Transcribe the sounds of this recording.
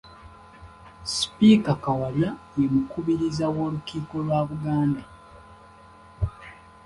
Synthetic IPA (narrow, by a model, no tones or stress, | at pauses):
spikakawaljajemukuβiɾizawo̞ːlukiːko̞lwaːβuɡaːnda